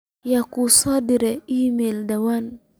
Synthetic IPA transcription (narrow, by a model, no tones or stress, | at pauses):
jakusɔdiɾɛimeldawan